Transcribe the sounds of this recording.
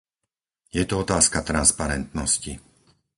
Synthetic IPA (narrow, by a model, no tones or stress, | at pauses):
jɛt̪ɔɔt̪aːskat̪ɾanspaɾɛnt̪nɔsci